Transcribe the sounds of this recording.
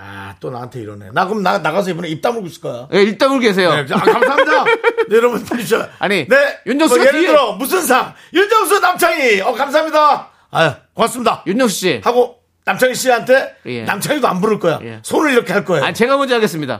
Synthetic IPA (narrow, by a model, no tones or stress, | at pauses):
a̰t͈ona̰ɦantʰe̞iɾʌnḛnaɡɯmnanaɣas̬ʰʌibʌneip̚t͈amuɭɡoɕʰi̥k͈ʌjojeip̚t͈amɯɭkes̬ʰe̞joekamamdanejoɾʌbunpʰaiɕaaɲinejuɲd͡ʑʌŋsiɡaɾʌmus̬ʰɯns̬ʰaŋ | juɲɲʌŋs̬ʰunamt͡ɕʰaŋiʌkams̬ʰaɦamɲida | akomaksɯmɲidajuɲd͡ʑʌŋs̬ʰu̥ɕ͈ihaɡo | namt͡ɕʰaŋiɕʰiɦantʰe̞jḛna̰mt͡ɕʰaŋidoa̰nbuɾɯɭk͈ʌja̰jesʰoɾɯɾiɾʌkʰe̞ɦaɭk͈ʌeja̰ɲit͡ɕe̞ɡamʌɲd͡ʑeaɡe̞s͈ɯmɲida̰